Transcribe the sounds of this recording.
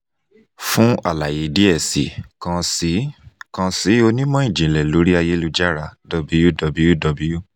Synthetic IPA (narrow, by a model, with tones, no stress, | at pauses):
fũ˦a˦˨la˨je˨˦di˦ɛ˦˨sḭ˨kã˧si˨˦kã˧si˨˦o˧nĩ˦mɔ̃˦ĩ˦˨d͡ʒĩ˨lɛ˨lo˨˦ɾi˦a˧je˦lu˧d͡ʒa˦ɾa˧dɔ˧bi˧˦ju˦dɔ˧bi˨˦ju˦dɔ˧bi˨˦ju˦